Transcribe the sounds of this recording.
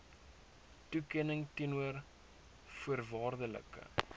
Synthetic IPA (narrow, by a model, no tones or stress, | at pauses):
tukɛnəŋtinuər | fuərvɑːrdələ̰kə̰